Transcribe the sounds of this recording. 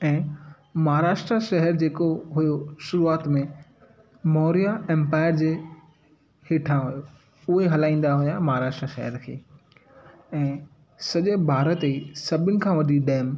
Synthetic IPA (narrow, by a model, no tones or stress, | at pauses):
ɛ̃ː | mɐɦaɾaːʃʈɾaʃɐɦəɾd͡ʑeːkoɦʊjoʃʊɾuaːt̪mẽ | mɔːɾijaɛ̃mpaːɪəɾd͡ʑeː | hɪʈʰãɦʊjo | ʊɦeɦɐlaːĩːn̆d̪aɦʊjamɐɦaɾaːʃʈɾaʃɐ̰ɦəɾkʰḛː | ɛ̃ː | sɐʄebʱaːɾət̪isɐbʱɪnɪ̆kʰãːʋɐɗiɗɛːm